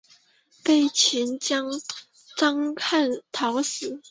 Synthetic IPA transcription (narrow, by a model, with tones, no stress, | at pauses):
pe˥˩ɪt͡ɕʰi˧˥nt͡ɕjɑ˥ŋ | ʈ͡ʂɑ˥ŋkʰa˥˩nt̪ʰɑ˨˧˥ʊsɹ̩˨˩˦